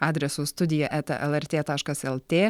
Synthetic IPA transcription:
ɑːd̪ʲɾʲɛsuːst̪ʊd̪ʲɪjɛʔɛt̪ɐ̰ʔɛlˠɛɾʲt̪ʲeːt̪ɑːʃkɐsɛlˠt̪ʲeː

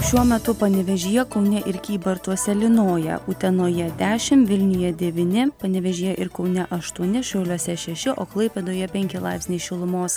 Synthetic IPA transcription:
ʃʲuɔmʲɛt̪ʊpɐnʲɪʋʲɛʒʲiːjɛkɒʊnʲɛʔɪɾkʲiːbɐɾt̪uɔsʲɛlʲɪnoːjɛ̰ut̪ʲɛnoːjɛd̪ʲæːʃʲɪmʋʲɪlʲnʲʊjɛd̪ʲɛʋʲiːnʲɪpɐnʲɪʋʲɛʒʲiːjɛʔɪɾkɒʊnʲɛʔɐʃt̪uɔnʲɪʃɐʊlʲuɔsʲɛʃʲɛʃʲɪʔoːklˠɐɪpʲɛd̪oːjɛpʲɛŋʲkʲɪlˠɐɪpʲsʲnʲɛɪʃʲɪlˠʊmoːs

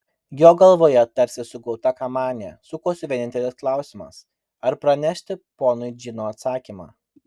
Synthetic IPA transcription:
jʲoːɡɐlˠʋoːjɛt̪̚t̪ːɐɾʲsʲɪsʊɡɔʊt̪ɐkɐmɑːnʲḛsʊkoːsʲɪʋʲeːnʲɪnt̪ʲɛlʲɪsklˠɑˑʊsʲɪmɐ̰s | ɐɾpɾɐnʲæʃʲt̪ʲɪpoːnʊɪd͡ʒʲɪnoːɐt̪sɑːkʲiːmɑ̰ː

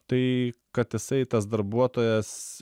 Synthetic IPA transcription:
t̪ɐɪkɐt̪jɪsɐɪt̪ɐs̬d̪ɐɾbuɔt̪oːjɛs

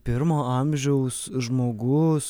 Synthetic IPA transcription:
pʲɪɾmoːɐmʲʒʲɛʊsʒmoːɡʊs

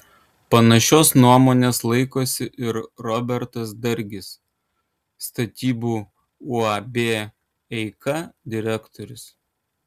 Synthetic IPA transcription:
pɐnɐʃʲoːsnuɔmoːnʲeːslˠɐɪkoːsʲɪʔɪɾɾɔbʲɛɾt̪ɐsd̪ɐɾʲɡʲɪsː | t̪ɐt̪ʲiːbuː | ʊɐbʲeː | ɛɪkɐd̪ʲɪɾʲæːkt̪ɔɾʲʊs

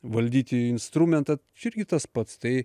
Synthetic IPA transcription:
ʋɐlʲd̪ʲiːt̪ʲɪɪnst̪ɾuːmʲɛnt̪ɐt͡ʃʲɪɾʲɡʲɪt̪ɐspɐt̪st̪ɐɪ

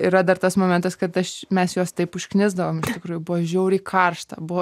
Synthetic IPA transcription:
iɾɐd̪ɐrt̪ɐsmoːmʲɛnt̪ɐskɐt̪ɐʃmʲɛsjoːst̪ɐɪpʊʃʲknʲɪzd̪ɐʋoːmɪʃt̪ʲɪkɾuːjʊbʊʋɐʒʲɛʊɾʲiːkʰɐrʃt̪ɐ̰bʊʋɐ

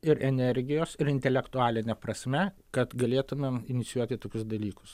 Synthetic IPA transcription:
ɪɾʔɛnʲɛɾʲɡʲɪjoːsɪɾɪnʲt̪ʲɛlʲɛkt̪ʊaːlʲɪnʲɛpɾɐsʲmʲɛ | kɐt̪ɡɐlʲeːt̪ʊmʲemɪnʲɪt̪sʲɪjuɔt̪ʲɪt̪oːkʲʊsd̪ɐlʲiːkʊ̥s

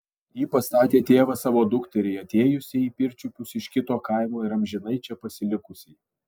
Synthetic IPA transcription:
jiːpɐst̪ɑːt̪ʲeːt̪ʲeːʋɐsɑːʋoːd̪ʊkt̪ʲɛɾʲɛɪɐt̪ʲeːjʊsʲɪiːpʲɪɾʲt͡ʃʲʊpʲʊsɪʃkʲɪt̪oːkɐɪmoːɪɾɐmʲʒʲɪnɐɪt͡ʃʲɛpɐsʲɪlʲɪkʊsʲɛɪ

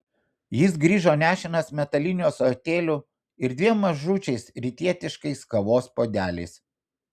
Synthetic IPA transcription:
jɪs̬ɡɾʲiːʒoːnʲæːʃʲɪnɐsmʲɛt̪ɐlʲɪnʲɪjoːsoːt̪ʲeːlʲʊ | ɪɾd̪ʲʋʲiɛmːɐʒuːt͡ʃʲɛɪsɾʲɪt̪ʲiɛt̪ʲɪʃkɐɪskɐʋoːspoːd̪ʲæːlʲɛ̰ɪs

